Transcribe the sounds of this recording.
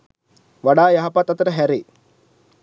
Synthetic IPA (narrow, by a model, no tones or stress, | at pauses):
ʋaɖaːjaɦapat̪ːat̪əɾəɦæɾeː